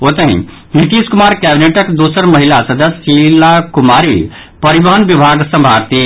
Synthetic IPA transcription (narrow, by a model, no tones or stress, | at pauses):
ot̪əɦḭ̃ | nit̪iskumaɾkɛbineʈəkd̪osəɾməɦilasəd̪əsilakumaɾi | pəɾibəɦənbibʱaɡsə̃mbʱaɾt̪i